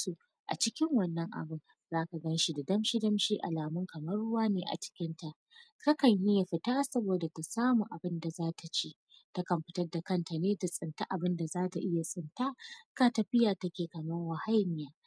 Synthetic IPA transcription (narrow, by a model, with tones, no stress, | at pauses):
su˨ | ʔa̰˨t͡ʃɪ˦kʲɪ˦ŋwɐ˨nːɐ˦ŋʔa̰˨bɪ˦n | zaː˦ka˨ɡɐ˦nʃi˦da˨dɐ˦mʃi˦dɐ˦mʃiː˦ʔa̰˨laː˨mʊ˦ŋkɐ˨mɐ˦rːʊ˦waː˦neː˨ʔa̰˨t͡ʃɪ̥˦kʲɪ˦nta˨ʔ | ka˦kɐ˨ɲjɪ˦ja˨ɸɪ˦taː˦sɐ˦boː˨da˨ta˨saː˦mu˨ʔa˨bɪ˦nda˨zaː˦tʰa˨t͡ʃiː˦ | ta˦kɐ˨mɸɪ̥˦tɐ˦rda˨kɐ˦nta˨neː˦ta˨sʼɪ˨nta˦ʔa˨bɪ˦nda˨zaː˦ta˨ʔɪ˦ja˨sʼɪ˨ntaː˦ka˦tɐ˨ɸɪ˦jaː˨tɐ˦kʲeː˨kɐ˨mɐ˦rwa˨ha˦jmɪ˨˦jaː˦